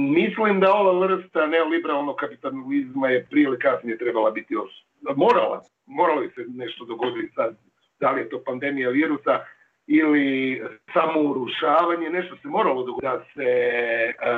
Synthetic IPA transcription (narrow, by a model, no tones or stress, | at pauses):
mislimd̪ao̞ʋaʋr̩st̪anelibeɾalˠnokkapit̪anlizmaje̞pɾielikasnije̞t̪ɾe̞balˠabit̪ios | mo̞ːɾa̰la̰ | mo̞ɾalobisene̞ʃt̪o̞d̪o̞ɡo̞d̪it̪sad̪̚ | d̪̥alije̞t̪o̞ːpand̪e̞mijaʋiːɾusa | ilisamo̞uɾuʃaːʋaɲene̞ʃt̪ose̞mo̞ːɾalˠo̞d̪oɡod̪ase